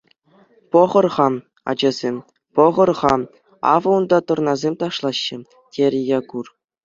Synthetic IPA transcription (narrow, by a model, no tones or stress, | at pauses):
pŏʁɤ̆rʁɑ | ɑ̰d͡ʑɑzʲemʲ | pŏʁɤ̆rʁɑ | ɑ̰vɤ̆und̪ɑt̪ɤ̆rnɑzʲemʲt̪ɑʂlˠɑɕːɘ̆ | tʲʰeɾʲɘ̆jɑkur